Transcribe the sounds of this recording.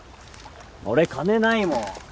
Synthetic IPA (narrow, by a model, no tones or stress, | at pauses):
o̰ɾekanenaimõ